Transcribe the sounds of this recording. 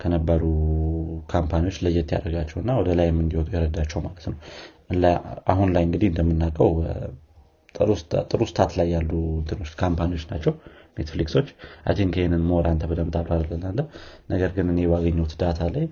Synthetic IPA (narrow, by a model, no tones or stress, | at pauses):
kʰənəbːəɾu | kʰampʰaniwo̞t͡ʃːləjːɛt̪ːija̰ɾəɡat͡ʃːɛwɨnːawɔd̪əlajɛmːɨnd̪ihɔt̪ʼujɛɾəd̪at͡ʃːɛwmalət̪nəw | ɨla̰ɦunlajɨŋɡɨd̪iɨnd̪əmːɨnːakʼəw | t̪ʼɾust̪t̪ʼɨɾust̪ʰat̪lajːalːuwɨnd̪ɨno̞t͡ʃːkʰampaniwo̞t͡ʃːnat͡ʃːɛwmet̪flikso̞t͡ʃːʔa̰d̪ʰiŋkʰəhenɨnmoɾʔant̪ʰəbɨd̪əmt̪ʰʼaβɾad̪ələnːalːəwnəɡəɾɡɨnɨnebaɡəɲːɛwt̪d̪at̪ʰalaj